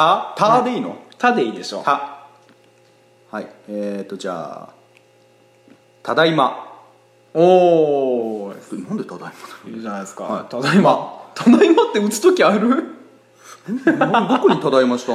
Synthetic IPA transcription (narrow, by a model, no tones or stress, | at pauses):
at̪aad̪eiːno̞̰t̪ad̪e̞iːd̪e̞ɕo̰a | haiet̪ːo̞d͡ʑa̰ː | t̪ʰad̪aima | oː | tnãnd̪e̞t̪ad̪aimase̥id͡ʑanaiska̰at̪ad̪aimat̪ʰad̪aimat̪ːe̞ɯ̟t͡sɨ̥t̪okʲiaɾɯ̟ | d̪okoɲ̟it̪ad̪aimaɕi̥t̪a